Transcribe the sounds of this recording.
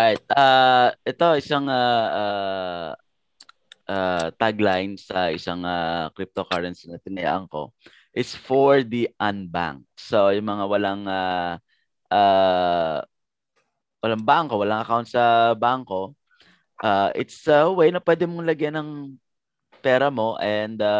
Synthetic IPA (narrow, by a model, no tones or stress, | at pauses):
ɹajt̪̚ʔaʔɛt̪o̞ʔɪsaŋaʔa | ʔat̪aɡlajnsɐʔɪsaŋakɾip̚t̪okaɹɛnsnɐt̪ɪnɐja̰ːʔɐŋko̞̰ | ʔɪsfoɹd̪iʔɐnba̰ŋk̚sojʊŋmɐŋawɐlaŋa | ʔaː | wɐlaŋbaŋkowɐlaŋɐkawnt̪̚sɐbaŋko̞ | ʔaʔɪt̪sɐwejnɐpwɛːd̪ɛmoŋlɐɡjanɐŋ | pɛːɾɐmo̞ʔɛnd̪a